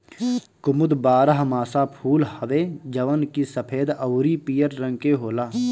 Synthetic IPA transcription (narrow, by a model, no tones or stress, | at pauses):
kʊmʊd̪baːɾəɦmaːsapʰuːlhəʋeːd͡ʒəʋənkisəpʰeːd̪əwɾipijəɾːə̃ŋɡkeɦoːlaː